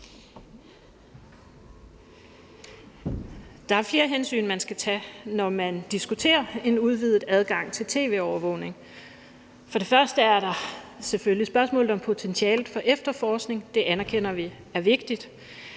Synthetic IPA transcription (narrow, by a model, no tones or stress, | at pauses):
d̥ɑ̈æɐfle̝ːɐɦensy̰ːnmænsɡ̥æt͡sʰɛnɒmænd̥isɡ̥ut͡sʰe̝̰ːɐe̝nuð̞ˠʋið̩ˠæð̞ˠɡ̥ɑ̈ŋ̰t͡sʰe̝lt͡sʰe̝̰ːʋe̝̰ːɒʊɐʋɔ̽ʊ̰ne̝ŋ | fɒ̽ɾ̥e̝fɶɐsd̥əæɐɾɑ̈seføllisb̥ɶɐsmɔ̰̽ːlð̩ˠɒ̽mpʰo̝t͡sʰensiɛ̰ːlð̩ˠfɒ̽ʔefd̥ɐfɒːsɡ̥ne̝ŋd̥e̝ʔænɐkʰen̰ɐʋi | æɐʋe̝ɡ̥̚d̥id̥